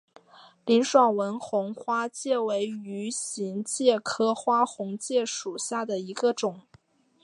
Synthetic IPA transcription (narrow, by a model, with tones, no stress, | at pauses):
li˧˥nʂwɑ˨˩ŋwə˧˥nxʊ˧˥ŋxwa˥t͡ɕjɛ˥˩we˧˥ɪy˧˥ɕi˧˥ŋt͡ɕjɛ˥˩kʰɤ˥xwa˥xʊ˧˥ŋt͡ɕjɛ˥˩ʂu˨˩ɕja˥˩d̪ə˩i˧˥ɡə˧ʈ͡ʂʊ˨˩˦ŋ